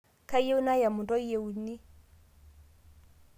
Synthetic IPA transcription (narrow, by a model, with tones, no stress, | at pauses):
kʰʼa˦je˦ʊ˦na˦ja˨mʊ˨tʼɔ˦e˨u˨ni˦